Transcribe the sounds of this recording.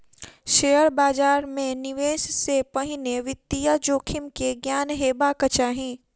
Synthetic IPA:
ʃejəɾbaːd͡ʒaːɾmẽnɪʋeːʃsepɐɦɪneʋɪt̪ːijad͡ʒoːkʰɪmkeɡjaːnɦeːbakət͡ʃaːɦĩː

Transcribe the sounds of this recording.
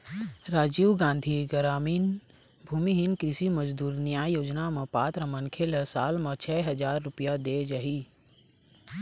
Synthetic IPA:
ɾaːd͡ʒiːʋɡãːnd̪ʱiɡəɾaːmiːn | bʱuːmiɦɪnkɾɪsiməd͡ʒd̪uːɾnɪjaːjoːd͡ʒnamẽpaːt̪ɾəmənkʰeləsaːlmɐ̃t͡ʃʰɛːɦɐd͡ʒaːɾːʊpijad̪eːd͡ʒaɦiː

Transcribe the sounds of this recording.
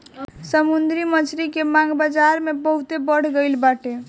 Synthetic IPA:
səmund̪ɾimət͡ʃʰɾikemãɡbad͡ʒaɾmebəɦut̪ebəɽ̤ɡəɪlbaʈe

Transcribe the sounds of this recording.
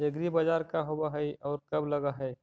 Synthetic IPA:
eɡɾibad͡ʒaːɾkaɦobaɦɛiɔːɾkɐblɐɡaɦɛj

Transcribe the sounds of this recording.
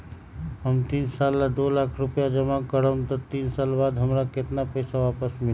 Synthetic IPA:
ɦəmt̪iːnsaːlːad̪olaːkʰɾʊpjad͡ʒəmakəɾənt̪ɔt̪iːnsaːlbaːd̪ɦəmɾakɪt̪napəɪsaʋaːpəsmɪl

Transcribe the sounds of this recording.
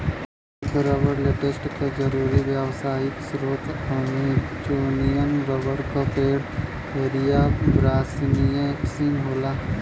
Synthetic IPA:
kɾəʋəɾleːʈesʈkad͡ʒɐɾuːɾiʋjəʋsaːɪksɾoːt̪anit͡ʃoːnijənɾɐʋəɾkapeːɽ | eːɾijabɾaːsinijẽpsiːnɦoːlaː

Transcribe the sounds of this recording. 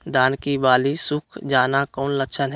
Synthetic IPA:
d̪aːnkibaːlisʊkʰd͡ʒaːnakɔːnləkʃʰənɦ

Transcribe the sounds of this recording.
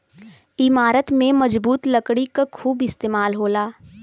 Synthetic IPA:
ɪmaːɾət̪mẽmɐd͡ʒbuːt̪lɐkɽikakʰuːbɪst̪eːmaːlɦoːlaː

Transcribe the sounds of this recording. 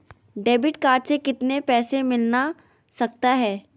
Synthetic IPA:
ɖeːbɪʈkaːʈsekɪt̪nepɛːsemɪlna | sɐk̚t̪aɦɛː

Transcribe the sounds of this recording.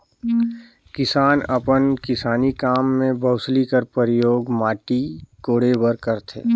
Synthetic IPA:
kɪsaːnəpənkɪsaːnikaːmːẽbəʊslikəɾpəɾɪjoːɡmaːʈikoːɽebəɾkəɾt̪ʰḛː

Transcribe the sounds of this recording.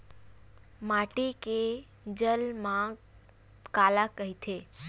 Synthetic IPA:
maʈike | d͡ʒəlmã | kalakəɦit̪ʰe

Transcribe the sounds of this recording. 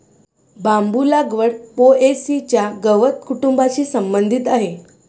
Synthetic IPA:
bambulaɡʋəɽpoesit͡ɕjaɡəʋət̪kuʈumbat͡ɕiːsəmbənd̪ʱit̪aɦe

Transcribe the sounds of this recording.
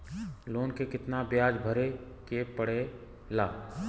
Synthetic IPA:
loːnkekɪt̪nabjaːd͡ʒbʱəɾe | kepəɽe | laː

